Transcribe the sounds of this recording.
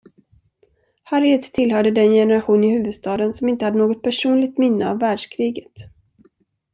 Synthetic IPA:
haɾjət̪ʰːɪlhœːɖəd̪ɛnjɛnəɾaɧuːnɪhʉ̟ːvɵd̪st̪ɑːd̪ənsɔmɪnt̪əhad̪ənoːɡɔt̪̚pʰæʂuːnlɪɡ̚t̪mɪnːəa̰vːæːɖʂkʰɾiːɡət̪

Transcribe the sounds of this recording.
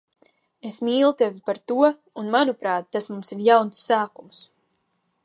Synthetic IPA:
esmiːlˠut̪evʲipaɾt̪uɔ | unmanupɾaːt̪̚ːasmumsiɾjawnsːaːkums

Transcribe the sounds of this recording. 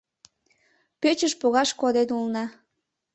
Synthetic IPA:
pet͡ɕəʃpoɣɑʃkod̪enulnɑ

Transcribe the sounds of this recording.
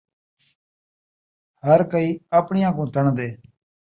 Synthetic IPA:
həɾkəiːaːpɳɪjãːkũːt̪ʰəɳd̪eː

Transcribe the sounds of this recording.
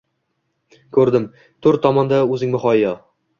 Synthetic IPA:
kʰɵɾd̪ɪm | t̪ʰɵɾt̪ʰɒmɒnd̪aɵzɪŋmʊχɒɪjɒ

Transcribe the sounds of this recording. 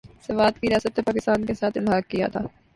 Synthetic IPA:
sɐʋaːd̪kiɾɪjaːsət̪nepaːkɪst̪aːnkesaːt̪ʰɪlɦaːɡ̚kija̰t̪ʰa̰ː

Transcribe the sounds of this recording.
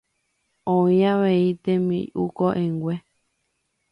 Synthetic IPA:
õĩaʋeit̪ẽmḭ̃ʔukoʔẽŋɡʷe

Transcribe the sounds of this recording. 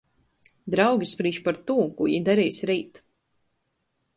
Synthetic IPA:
d̪ɾawɡʲispɾiːʃpaɾt̪uːkujḭd̪aɾijsʲɾiːt̪

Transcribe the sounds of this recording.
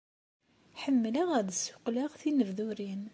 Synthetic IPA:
ħəmːləʁæðsːʊ̥qlaʁθinəvðuɾin

